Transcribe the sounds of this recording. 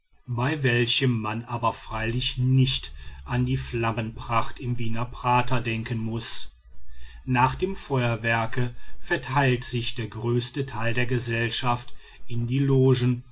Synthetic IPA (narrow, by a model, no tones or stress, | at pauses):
baɪvɛlçəmːanʔaːbɐfʁ̥aɪlɪçnɪçtʔandiːflamənpʁ̥aχtɪmviːnɐpʁ̥aːtʰɐdɛŋkənmʊs | naːχd̥eːmfɔʏɐvɛɐkəfɛɐtʰaɪltz̥ɪçd̥eːɐɡʁøːstətʰaɪldeːɐɡəzɛlʃaft | ʔɪndiːloːʒn̩